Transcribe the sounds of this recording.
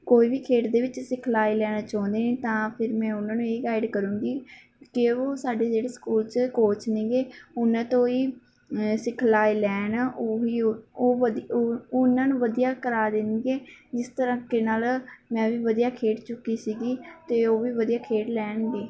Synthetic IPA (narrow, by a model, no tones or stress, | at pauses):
koːiːʋiːkʰeːʈd̪eːʋɪt͡ʃsɪkʰlaːilɛːnaːt͡ʃãːnd̪eːnẽːt̪ãːpʰɪɾmɛ̃ːʊnãːnũːeiːɡaːɪɖkəɾũːɡiː | kɪoːsaːɖeːd͡ʒeːɽeːskuːlt͡ʃkoːt͡ʃnẽːɡeːʊnːãːt̪õːiː | sɪkʰlaːilɛːnːʔoiːoːd̪ʊnãːnũːʋəd̪ijaːkəɾaːd̪ɪnd̪eːd͡ʒɪst̪əɾə̃ːkeːnaːlmɛ̃ːʋiːʋəd̪ijaːkʰeːʈt͡ʃʊkːiːsiːɡiːt̪eːoːʋiːʋəd̪ijaːkʰeːʈlɛːɳɡeː